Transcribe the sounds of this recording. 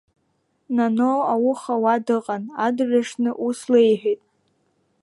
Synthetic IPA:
nanoawʊχawadɨqʼanadʕʲʷaʂnɨʔuslejħʷᶣitʼ

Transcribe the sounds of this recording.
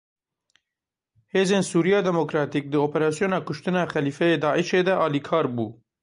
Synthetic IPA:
heːzeːnsuːɾijɑːd̪ɛmoːkɾɑːt̪iːk̚d̪ɨoːpɛɾɑːsijoːnɑːkʊʃt̪ɨnɑːxɛliːfɛjeːd̪ɑːʔiʃeːd̪ɛʔɑːliːkʰɑːɾbuː

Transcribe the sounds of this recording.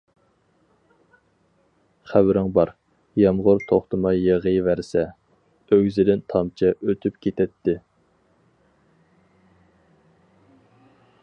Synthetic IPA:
χæbɾɪŋbɑɾ | jɑmʁʊɾt̪ʰoχt̪ʰɨmɑjeʁəjvæɾsɛ | øwzɪd̪ɪnt̪ʰɑmt͡ʃʰɛʔøt̪ʰypkʲʰet̪ʰɛt̪ʰːɪ

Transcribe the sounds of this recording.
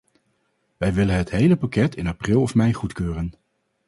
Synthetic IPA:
ʋɛjʋɪlənɦətɦejləpakɛtɪnaprɪlˠɔfmɛjχutkøːrən

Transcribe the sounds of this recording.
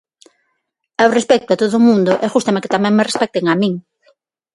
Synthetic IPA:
ɛʊrespɛk̚t̪ʊat̪oðʊmũnd̪ʊʔɛʝust̪amekɪ̥t̪amɛ̃ŋmerespɛk̚t̪eŋamĩŋ

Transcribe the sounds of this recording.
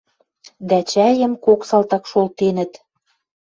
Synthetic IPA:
d̪æt͡ɕæjə̆mkoksɑlt̪ɑkʃolt̪enə̆t̪

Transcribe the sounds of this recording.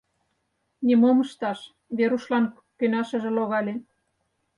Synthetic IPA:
nʲemomə̆ʃt̪ɑʃ | βeɾuʃlɑn | kønɑʃə̆ʒĕloɣɑlʲe

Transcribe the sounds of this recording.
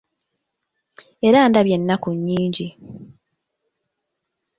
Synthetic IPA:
e̞ɾaːndaβje̞nːakuɲːiːɲɟi

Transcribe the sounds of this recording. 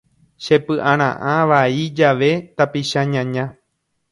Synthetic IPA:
ʃe̞pɨʔãɾ̃ã̰ʔãʋaid͡ʒaʋe̞t̪apiʃaɲãɲã

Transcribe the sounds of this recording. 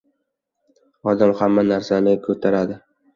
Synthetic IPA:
ɒd̪amhamːanaɾsanɪkʰɵt̪ʰaɾad̪ɪ

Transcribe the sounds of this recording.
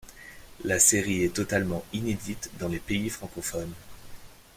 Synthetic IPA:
laseʁiɛt̪ɔt̪almɑ̃ined̪it̪d̪ɑ̃lepeifχɑ̃kɔfɔn

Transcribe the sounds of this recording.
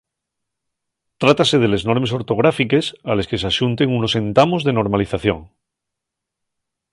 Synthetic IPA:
t̪ɾat̪ase̞ðe̞le̞zno̞ɾme̞s̬o̞ɾt̪o̞ɣ̞ɾafike̞sale̞ske̞sasunt̪e̞ŋuno̞se̞nt̪amo̞zðeno̞ɾmaliθaθjo̞̰ŋ

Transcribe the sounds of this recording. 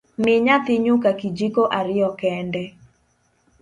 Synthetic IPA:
mɪɲat̪ɪɲʊkakid͡ʒikoʔaɾɪɔkɛndɛ

